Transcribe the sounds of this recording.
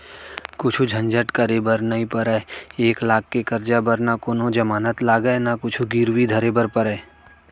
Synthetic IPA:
kʊt͡ʃʰud͡ʒʱɐ̃ɲd͡ʒəʈkəɾebəɾnɐɦĩpəɾɛeːklaːk̚ːekɐɾd͡ʒabəɾnakoːnod͡ʒɐmaːnət̪laːɡəenakʊt͡ʃʰuɡiːɾwid̪ʱəɾebəɾpəɾɛː

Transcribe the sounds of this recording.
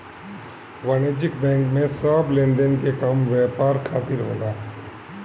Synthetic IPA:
ʋəneːd͡ʒɪkbɛ̃ːŋkmẽsablẽːnd̪ənkekəmʋɛːpaːɾkʰaːt̪ɪɾɦo̰ːlaː

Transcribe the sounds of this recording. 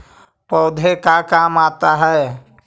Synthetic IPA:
pəʊd̪ʱekakamat̪aɦɛ

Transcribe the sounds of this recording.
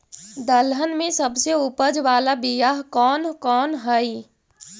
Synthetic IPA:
d̪əlɦənmẽsəbseupəd͡ʒʋaːlabijaɦkɔːnkɔːnɦəj

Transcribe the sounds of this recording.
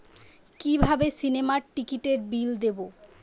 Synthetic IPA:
kibʱabesinemaɾʈikiʈeɾbild̪ebo

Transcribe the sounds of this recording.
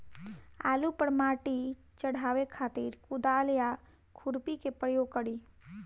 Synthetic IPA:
a̰ːlupəɽmaːʈi | t͡ʃəɽ̤ʱaːʋekʰaːt̪iɾkʊd̪aːlja | kʰʊɾpikepɾəjoɡ̚kəɽi

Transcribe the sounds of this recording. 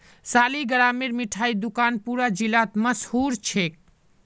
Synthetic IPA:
saːliɡəɽameɾmiʈʰaid̪ukaːnpuɾad͡ʒilat̪məshuɾt͡ʃʰek̚

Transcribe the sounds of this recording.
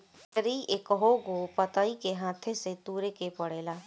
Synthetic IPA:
əɾiʔeːkəɦoɡopət̪aikeɦãːt̪ʰeset̪uːɾekepəɽeːlaː

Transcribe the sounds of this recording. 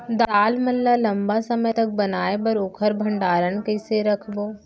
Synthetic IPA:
d̪aːlmɐlːalɐ̃mbasɐməjt̪ɐk̚bɐnaːebɐɾoːkʰəɾbʱɐ̃ɳɖaːɾənkɐɪseɾɐkʰboː

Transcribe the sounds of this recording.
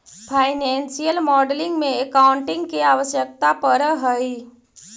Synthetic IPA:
pʰaːɪnɛ̃ːnsijəlmɔːɖlɪ̃ŋɡmẽekaːʊɳʈɪ̃ŋɡkeaːʋəsjək̚t̪apəɾɦəi

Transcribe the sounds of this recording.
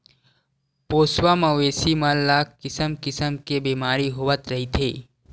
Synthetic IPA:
poːswaməʋeːsimalaːkkːɪsəmkɪsəmkebeːmaːɾiɦoːʋət̪ɾɐɦit̪ʰḛː

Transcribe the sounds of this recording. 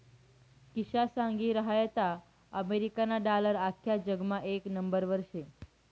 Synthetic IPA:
kiʃasãŋɡiɾəɦajət̪a | əmeɾikanaɖaləɾakʰjad͡ʒəɡmãʔeknəmbəɾʋəɾʃe

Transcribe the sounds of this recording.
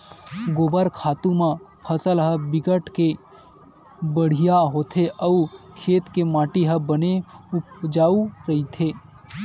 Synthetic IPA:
ɡoːbəɾkʰaːt̪ũmãpʰəsəlɦəbɪɡəʈke | bəɽ̤ijaɦot̪ʰeʔəukʰeːt̪kemaːʈiɦəbəneʊpd͡ʒaːuɾəɦit̪ʰe

